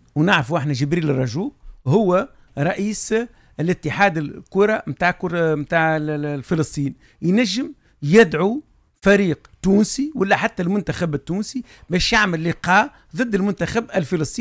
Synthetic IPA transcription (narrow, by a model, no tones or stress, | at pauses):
wnaʕɾfuʔɪħnæʒɪbɾiːlrˤːɑʒuːʔhʊwːæ | ɾˤɑʔiːs | ɪlɪt̪ːɪħaːd̪ɪlkʊɾˤɑmt̪aːʕkʊɾmt̪aːʕlfəlɨsˤt̪ˤiːn | jnæʒːɪm | jɪd̪ʕu | fæɾiːqt̪uːnsiwalːæħat̪ːælmʊnt̪æxæbɪt̪ːuːnsi | bɛːʃjaʕməlːiqɑː | ðˤɨd̪ːɪlmʊnt̪æxæbɪlfəlɨsˤt̪ˤiː